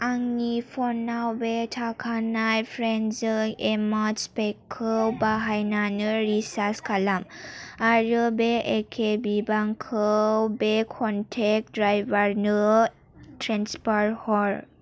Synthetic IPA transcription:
aŋnipʰɔnːawbetʰakʰanajpʰɾenzɯemɔd͡ʒpekʰːɯwbaɦajnanɯɾisaskʰalamaɾɯbeʔekʰebibaŋkʰɯwbekʰɔntʰɛk̚dɾajbaɾnɯ | tʰɾanspɔɾhɔɾ

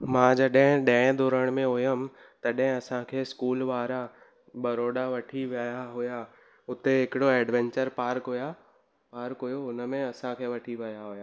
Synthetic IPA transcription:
mãːd͡ʑɐɗɦɪ̃ɗə̃ɦɪ̃d̪oːɾəɽ̃mẽɦojəm̆ | t̪ɐɗɦɪ̃ɐsãkʰeːskuːlʋaːɾa | ɓɐɾoːɖaʋɐʈʰiʋaːjaɦʊja | ʊt̪eɦɪkɪɽoɛːɖʋɛ̃ɲt͡ɕəɾpaːɾkɦʊja | paːɾkɦojoʊnəmẽɐsãkʰeːʋɐʈʰiʋɐjaɦʊjaː

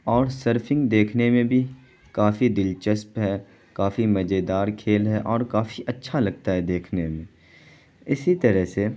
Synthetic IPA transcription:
ɔːɾsəɾfʰɪ̃ŋɡd̪eːkʰnemẽbʱi | kaːfid̪ɪlt͡ʃəspɦɛː | kaːfimɐd͡ʒed̪aːɾkʰeːlɦɛʔɔːɾkaːfiʔɐtːʃʰalɐɡt̪aɦɛd̪eːkʰnemẽ | ɪsit̪ɐɾəɦse

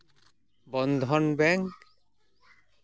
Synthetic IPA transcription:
bɔnd̪ʱɔnbɛŋk

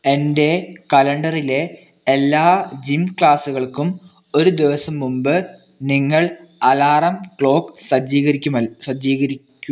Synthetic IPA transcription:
e̞nde̞kɐlɐɳɖɐrile̞ː | lːaːd͡ʑimkɭaːsuɣɐɭkum | o̞ɾud̪iʋɐsɐmːumbɨ | niŋːɐɭɐlaːrɐmkɭo̞ːksɐd͡ʑiːɣɐɾikʲːumɐsɐd͡ʑiːɣɐɾikʲːum

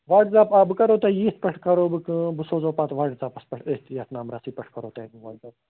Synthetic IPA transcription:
ʋaːʈzaːpabɨkɐɾoːt̪ejiːt̪̚ʰpɐʈʰkɐɾoːbɨkɨbɨsoːzoːpaːt̪ʋaːʈzaːpɐspɐʈʰeːht̪jɐt̪naːmɾaːsiːpɐʈʰkɐɾoːt̪ɐːnĩʋaːʈzaːb

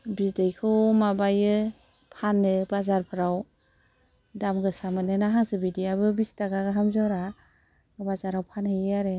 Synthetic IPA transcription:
bisdejkʰɯmabajɯ | pʰanːɯbazaɾpʰɯɾaw | damɡɯsamɯnɯnaɦaŋsɯbidiabɯbistaɡaɡɯɦamzawɾa | bazaɾawpʰanhejaɾe

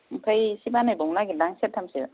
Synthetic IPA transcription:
m̩pʰajsibanajbɔŋnaɡidaŋsetʰːamsi

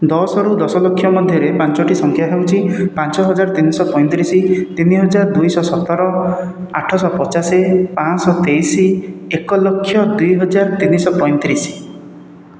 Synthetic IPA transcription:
d̪ɔsɔɾud̪ɔsɔlokʰːjɔmɔd̪ʱjɔɾepant͡ʃɔʈisɔŋkʰjaɦewt͡ʃʰipant͡ʃɔɦɔd͡ʒaɾt̪inisɔpɔj̪̃t̪iɾisit̪iniɦɔd͡ʒaɾɔd̪ujsɔsɔt̪ɔɾɔa̰ʈʰɔsɔpɔt͡ʃasepãsɔt̪ejsiekɔlokʰːjɔd̪ujɦɔd͡ʒaɾt̪inisɔpɔj̪̃t̪iɾisi̥

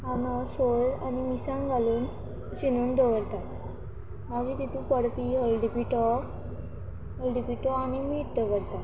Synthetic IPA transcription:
ɦanɔsoɭa̰nimisãŋɡʱaluːn | ɕinuːnd̪əʋəɽt̪a | maɡit̪it̪ʰũpəɽpiəlɖipiʈɔ | ɦəlɖipiʈɔanimiːʈd̪əʋəɽt̪a

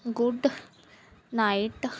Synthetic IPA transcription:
ɡuɖ | najiʈ

